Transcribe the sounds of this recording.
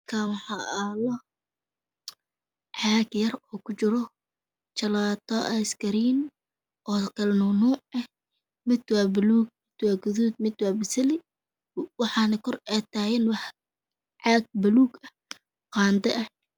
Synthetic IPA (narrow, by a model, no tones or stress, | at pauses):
kʰaːwɑħɑːɐlɔ | ʕɑːɡjɐrɔːkʰʊt͡ʃɪɾɔ | t͡ʃɐlaːt̪ʰɔʔɐskɐɾiːn | ʔɔːkʰɐlɛnuːnuːʕɛh | mɪd̪waːbɪluːɡ̚mɪd̪̥waːɡʊðuːd̪̚mɪd̪waːbɪsɐlɪ | wɑħɑːnɐkʰɔrɛt̪ʰaːjɪnwɑħ | ʕɑːɡ̚bɐluːɡɐh | qɑːnd̪ɐʔɐ